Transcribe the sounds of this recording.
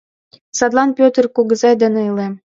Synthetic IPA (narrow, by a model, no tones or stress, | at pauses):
sɑd̪lˠɑnpʲøt̪ərkuɣɤ̆zɑjd̪ɘ̆neɤlem